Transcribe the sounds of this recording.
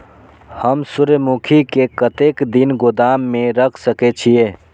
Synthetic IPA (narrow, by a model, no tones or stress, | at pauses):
həmsuɾəmukʰikekət̪ekd̪inɡod̪amːeɾəkʰsəkɛt͡ʃʰije